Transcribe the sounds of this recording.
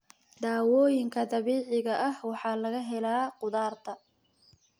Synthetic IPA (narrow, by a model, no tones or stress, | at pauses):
d̪aːwɔːjɪŋkʰɐd̪ɐβiːʕɪɣɐʔɐhwɑħɑːlɐɣɐɦɛlaːqʊðaːrt̪ʰɐ